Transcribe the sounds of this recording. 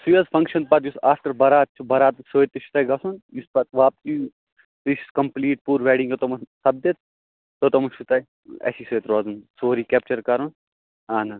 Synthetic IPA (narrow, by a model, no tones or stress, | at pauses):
sujɐzpʰɐŋkʃɐn̚pɐt̪jusaːfʈɐɾbɐɾaːt̪̚t͡ʃʰubɐɾaːt̪soːjet̪ːɐʃʰu̥t̪aːjɡɐsunjuspɐt̪ʋaːp̚si | t̪isi̥skɐmpliːʈ̚puːɾʋɛːɖiŋɡot̪omɐnsɐb̚d̪et̪̚ | t̪ot̪omɐʃʰut̪ɐːj | ɐ̰sisoːjt̪ɾɐːzunsoːɾiːkɛːpt͡ʃɐɾkɐɾun | aːnɐ